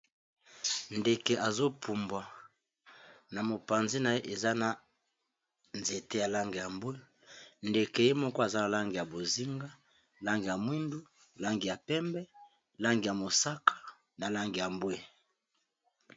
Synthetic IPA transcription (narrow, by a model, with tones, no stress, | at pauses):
nde˨ke˨ʔa˨zo˦pʰu˨mbwa˨ | na˨mo˨pa˨nzi˦na˨e˦ʔe˨za˦na˨ | nze˨te˦ja˨la˦ŋɡi˨ja˨mbwe˦ | nde˨ke˨je˦mɔ˦kɔ˦a˨za˦na˨la˦ŋɡi˨ja˨bo˨zi˦ŋɡa˦ | la˦ŋɡi˨ja˨mwi˦ndu˦ | la˦ŋɡi˨ja˨pɛ˦mbɛ˦ | la˦ŋɡi˨ja˨mo˨sa˦kʰḁ˦ | na˨la˦ŋɡi˨ja˨mbwe˦